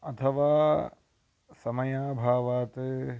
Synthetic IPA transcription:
ɐt̪ʰɐʋaː | sɐmɐjaːbʱaːʋaːt̪

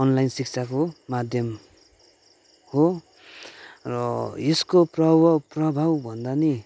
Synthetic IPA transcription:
ʌnlajnsikt͡sʰakomad̪ʱjʌm | ho | rʌeskoprʌbʌprʌbʱawbʱʌnd̪ani

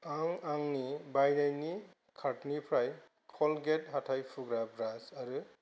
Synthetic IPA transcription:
aŋaŋnibajnajni | kʰatnipʰɾaj | kʰɔlɡet̚ɦatʰajpʰuɡɾabɾasaɾɯ

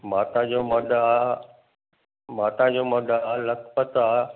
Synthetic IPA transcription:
maːt̪ad͡ʑoːmɐd̪ʱaː | maːt̪ad͡ʑoːmɐd̪ʱaːlɐkpət̪aː

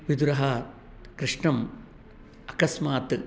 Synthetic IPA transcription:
ʋid̪uɾɐɦɐː | kɾiʂɳɐm | ɐkɐsmaːt̪ːɨ

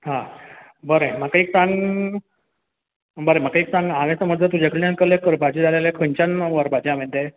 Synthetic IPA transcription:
ɦã | bəɾem̤akaik̚sãŋɡ | bəɾem̤akaik̚sãŋɡaʋesaməd̪ʱjət̪ud͡ʑakəɽjankəlekəɾbad͡ʑid͡zalelekʰəɲt͡ɕanʋəɾbad͡ʑiam̤ẽɳt̪e

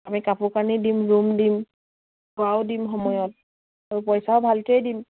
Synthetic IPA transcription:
amikapukanidimɹumdim | ɡawdimxɔmɔjɔt̚ | aɹupɔjsaʊbʱaltejdim

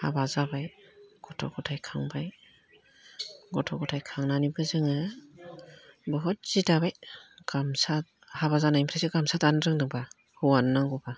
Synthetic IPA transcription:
habazabajɡ̥ɔtʰɔ̰ɡɔtʰajkʰaŋbaj | ɡɔtʰɔɡɔtʰajkʰaŋnanibɯzɯŋɯ | bɔɦɔt̚z̥idabajɡ̥amsa | habazanajimpʰɾesɯɡamsatanɾɯŋdɯŋba | huwanːaŋɡɔba

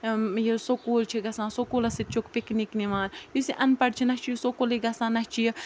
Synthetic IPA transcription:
jesokoːlt͡ʃʰiɡɐsãːsokoːlɐsit̪̚t͡ʃʰokpiknikniʋaːnjusiʔɐnpɐɖt͡ʃʰinɐst͡ʃʰijsokoliɡɐsãːnɐst͡ʃʰij

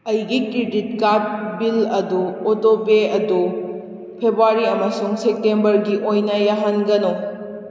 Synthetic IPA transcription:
ɐjɡikɾidit̚kat̚bilɐduotopeɐdu | pʰebuaɾiɐmɐsuŋsek̚tembɐɾɡiʔojnɐjaɦanɡɐno

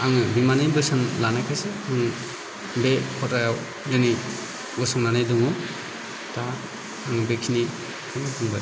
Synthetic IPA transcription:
aŋɯbimanɯbɯsanlanakʰaseaŋ | bekʰɔtajaw | jɯni | ɡɔsɔŋnanajdɔŋɔ | taː | ŋbekʰini | aŋɯtuŋba

